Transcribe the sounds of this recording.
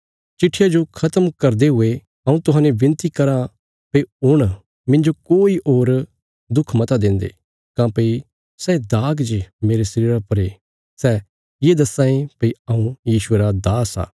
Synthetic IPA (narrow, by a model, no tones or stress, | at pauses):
t͡ʃɪʈʰːijad͡ʒokʰɐt̪əmkɐɾd̪eɦʊe | ɐũt̪ʊɦãːnebɪ̃nt̪ikɐɾa | peiʊɽ̃ | mɪ̃nd͡ʒokoːiʔoːɾ | d̪ʊkʰmɐt̪ad̪ɪ̃nd̪ḛː | kãːpɐi | sɛːd̪aːɡd͡ʒemeːɾesɐɾiːɾapɐɾe | sɛː | jeːd̪ɐsãːẽpɐiɐũjiːʃʊeɾad̪aːsa̰ː